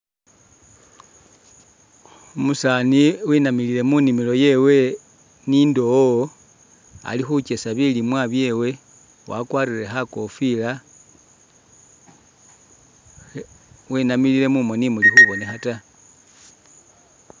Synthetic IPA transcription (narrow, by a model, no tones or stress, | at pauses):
omusaniwinamilile̞munimilo̞je̞we̞ | nindo̞o | a̰lixut͡ʃe̞saβilimwaβje̞we̞ | wʔa̰kwaːɾiɾexako̞fila | winamilile̞mumo̞nimulixuβo̞nexata